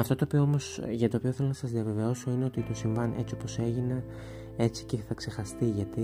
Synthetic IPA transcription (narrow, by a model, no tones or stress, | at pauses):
ɐft̪ot̪oːpioomosʝɐt̪oːpioθelonɐsɐzðiɐve̞ve̞o̞so̞ine̞o̞t̪it̪osiɱvɐnʔe̞t͡sio̞po̞se̞ʝine | e̞t͡si̥ce̞θɐkse̞xɐst̪iʝɐt̪i